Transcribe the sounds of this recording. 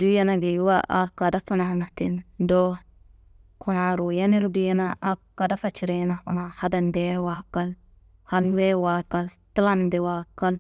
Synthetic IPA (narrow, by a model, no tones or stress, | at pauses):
dujanaɡijwaʔakadafanahanatindo | kʰuɾaɾujaniɾudujanaʔakːadafat͡ʃiɾenaanahadandɛwakal | hanwewakaltilandɛwakːal